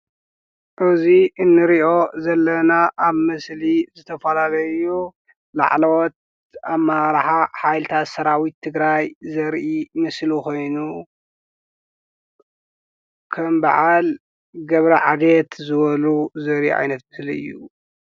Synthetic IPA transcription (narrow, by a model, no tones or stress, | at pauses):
ʔɨziɨnːɨɾiʔo̞zɐlːɐnaʔaβmɨslizɨt̪ʰɐfɐlalɐɨju | la̰ʕlɐwɔt̪̚ | amːaɾħaħajlɨt̪ʰat̪sɐɾawit̪ʰːɨɡɾajzɐɾʔimɨsliko̞jnu | kʰɐmba̰ʕal | ɡɐβɾɐʕa̰d̪et̪zɨβɐluzɐɾiʕa̰jnɐt̪̚bɨzliɨ̰jːu